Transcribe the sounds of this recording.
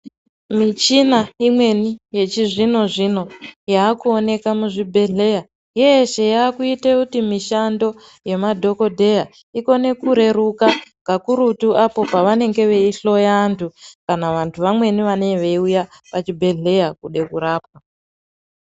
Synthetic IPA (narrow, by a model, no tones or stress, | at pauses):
mit͡ʃinaimwe̞nije̞t͡ʃiʐino̞ʐino̞jaːkuo̞ne̞kamuʐibʱe̞ɮe̞ja | jeʃe̞jaːkuitekutimiʃando̞ | je̞madʱo̞ko̞dʱe̞ja | iko̞ne̞kuɾe̞ɾukaŋɡʱakuɾutuʔapo̞paʋane̞ŋɡe̞ʋe̞iɬo̞jaːntʰukanaʋantʰuʋamwe̞niʋaneʋe̞iujapat͡ʃibʱe̞ɮe̞jakuɗe̞kuɾaːpwa